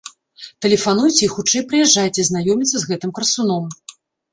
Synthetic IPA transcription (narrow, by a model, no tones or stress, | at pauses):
t̪ɛlʲɛfanujt͡sʲɛixut͡ʂɛjpɾɨjɛʐːajt͡sʲɛznajɔmʲit̪sɐzɣɛt̪ɨmkrsunɔm